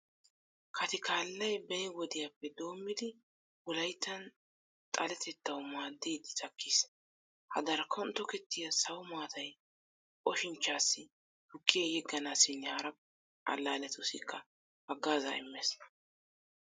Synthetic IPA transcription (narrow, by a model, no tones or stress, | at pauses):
kʰɐt̪ɪkʰaːlːɐjbɛjɛwɔd̪ɪjapːɛd̪o̞ːmːɪd̪ɪ | wʊlɐjt̪ːɐn | t̪ʼɐlɛt̪ʰɛt̪ːɐwʊmaːd̪ːiːd̪ɪt̪ʼɐkʰːiːs | hɐ̰d̪ɐɾɐkʰɔnt̪ːɔkɛt̪ːɪjɐsɐwʊmaːt̪ɐj | kʼɔʃɪnt͡ʃːaːsːɪ | hʊkːɪjɛjɛɡːɐnaːsɪnːɛhɐɾɐpː | ʔɐ̰lːaːlɛt̪ʊsɪkʰːɐ | bɐɡːaːzɐ̰ɪ̰mːesnɐ̥